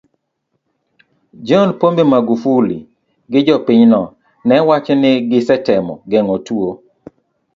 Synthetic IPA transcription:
d͡ʒɔnpombemaɡufulḭ | ɡɪd͡ʒɔpɪɲnɔ | nɛwat͡ʃɔnɪɡɪsɛtɛmɔ̰ɡɛŋɔtwo

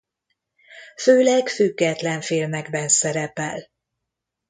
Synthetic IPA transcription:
føːlɛɡfyɡːɛt̪lɛɱfiːlmɛɡbɛnsɛɾɛpɛ̰l

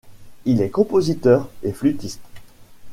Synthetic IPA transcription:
ilɛkɔ̃pozit̪œːʁeflyt̪ist̪

